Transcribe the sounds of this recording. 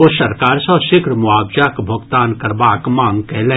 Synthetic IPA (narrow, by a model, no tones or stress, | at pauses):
oːsɐɾkaːɾsɔʃɪkɾəmʊaːbd͡ʒakbʱɐɡt̪aːnkɐɾbaːkmãːŋɡkɛɦlẽ